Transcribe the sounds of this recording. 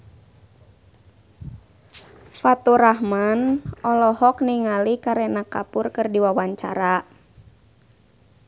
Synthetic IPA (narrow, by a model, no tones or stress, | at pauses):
fat̪uɾahmanɔlɔhɔkniŋalikaɾɛnakapʊrkɨrdiwawaɲt͡ʃa̰ɾa